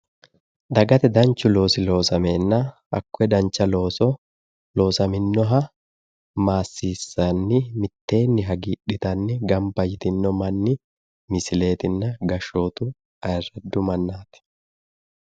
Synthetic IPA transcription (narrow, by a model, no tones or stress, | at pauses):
d̪ɐɡɐt̪ɛd̪ɐnt͡ʃːʊlo̞ːsɪlo̞ːsɐmeːnːɐ | ɐ̰kːʊɛd̪ɐnt͡ʃːɐlo̞ːsɔ | lo̞ːsɐmɪnːɔɦɐ | maːsːiːsːɐnːɪmɪt̪ːe̞ːnːɪɦɐɡiːᶑɪt̪ɐnːɪɡɐmpɐjɪt̪ɪnːɔmɐnːɪ | mɪsɪle̞ːt̪ɪnːɐɡɐʃo̞ːt̪ʊ | ɐɛrːɛd̪ːʊmɐnːaːt̪ɛ̥